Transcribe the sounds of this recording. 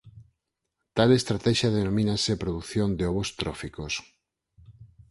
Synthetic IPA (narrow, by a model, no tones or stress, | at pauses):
t̪alest̪ɾat̪ɛʃjaðenomĩnasepɾoðuθjond̪eoβost̪ɾofikos